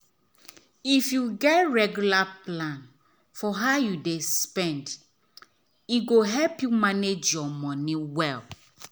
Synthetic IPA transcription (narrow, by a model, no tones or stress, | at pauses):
ifjuɡɛtɹɛɡjulaplãn | fɔɦaʊjudespɛ̃nd | iɡoɦɛlpjumaned͡ʒjɔmɔ̃nĩwɛl